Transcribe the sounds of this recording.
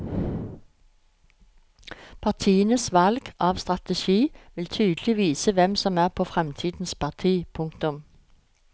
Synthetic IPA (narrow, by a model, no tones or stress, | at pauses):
pʰɑʁt̪ʰiːənəsʋɑlɡ̥ʔɑːʋst̪ʁɑt̪əʃiːʋɪlt̪ʰyːd̪əl̩ɪʋiːsəʋɛmsɔmæːʁpʰoːfʁɛmt̪ʰiːd̪n̩spʰɑʁt̪ʰiːpʰʊŋkt̪ʊm